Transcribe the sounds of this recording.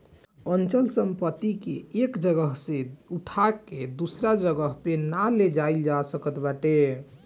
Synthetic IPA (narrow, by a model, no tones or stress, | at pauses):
ənt͡ʃəlsəmpət̪ikeekd͡ʒəɡəɦseuʈʰaked̪usɾad͡ʒəɡəɦpenaled͡ʒaild͡ʒasəkət̪baʈe